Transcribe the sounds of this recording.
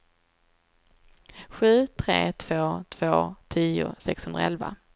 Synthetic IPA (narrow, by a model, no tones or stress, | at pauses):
ɧʉ̟ːt̪ʰɾḛːt̪ʰv̥oːt̪ʰv̥oːt̪ʰiːʊ̰sɛkshɵnɾa̰ɛlva̰